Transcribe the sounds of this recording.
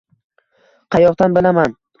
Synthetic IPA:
qʰɑjɒqt̪anbɪlaman

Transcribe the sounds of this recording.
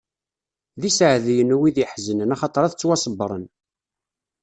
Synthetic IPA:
ðisʕðijənuwiðjəħzənənæχɑt̪ˤɑɾˤæθt͡sːwɑsˤəbːɾˤən

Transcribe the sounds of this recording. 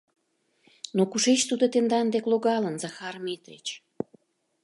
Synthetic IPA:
nokuʃet͡ɕt̪ud̪ot̪end̪ɑnd̪ekloɣɑlənzɑxɑrmet̪ɾḛt͡ɕ

